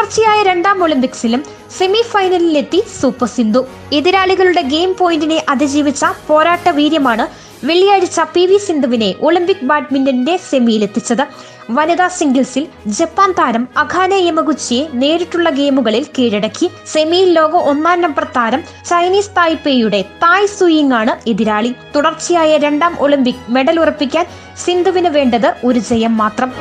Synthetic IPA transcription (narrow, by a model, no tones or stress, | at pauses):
ɐrt͡ɕːijaːjɐɾe̞ɳɖaːmo̞ɭimpiksilum | se̞mifɐjnɐlile̞t̪ːisuːpːɐsind̪ʱu | eðiɾaːɭiɣɐɭuɽe̞ɡe̞ːmpo̞ːjindine̞ʔɐðid͡ʑiːʋit͡ɕːɐpo̞ːɾaːʈːɐʋiːɾjɐmaːɳɨ | ʋe̞ɭijaːɻit͡ɕːɐpiʋisind̪uʋine̞ʔo̞ɭimpik̚baːʈmindɐninde̞se̞mijile̞t̪ːit͡ɕːɐðɨ | ʋɐnɐðaːsiŋɡɐlsil | d͡ʑe̞pːaːnt̪aːɾɐmɐɡʱaːnɐemɐɣut͡ɕːije̞ne̞ːɾiʈːuɭːɐɡe̞ːmuɣɐɭilkeːɻiɽɐkːi | se̞mijilːo̞ːɡɐʔo̞nːaːndɐmprɐt̪ʰːaːɾɐm | t͡ɕɐjniːst̪aːjpeːjuɽe̞t̪aːjsujiŋːaːɳɨe̞ðiɾaːɭit̪uɽɐrt͡ɕːijaːjɐɾe̞ɳɖaːmʔo̞ɭimpikːme̞ɽɐlurɐpːikʲːaːn | sind̪ʱuʋinɨʋe̞ːɳɖɐðɨo̞ɾud͡ʑejɐmːaːt̪rɐm